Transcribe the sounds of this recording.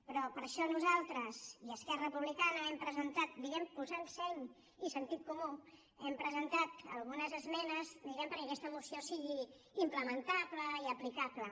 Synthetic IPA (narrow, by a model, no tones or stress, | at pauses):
pɾɔpəɾʃɔnuzalˠt̪ɾəziəskɛrəəpuβlikanəɛmpɾəzənt̪at̪̚d̪iɣɛmpuzansɛɲ | isənt̪it̪̚kumu | ɛmpɾəzənt̪at̪ə̰lˠɣunəzəzmɛnəzd̪iɣɛmpəɾkəkɛst̪əmusiosiɣi | impləmənt̪apləiəplikaplə